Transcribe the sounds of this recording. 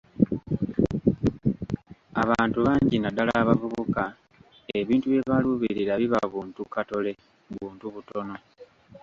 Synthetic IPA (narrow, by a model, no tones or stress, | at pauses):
aβaːntuβaːɲɟinadalaːβavuβuka | e̞βiːntuβje̞βaluβiɾiɾaβiβaβuːntukato̞le̞ | βuːntuβuto̞no̞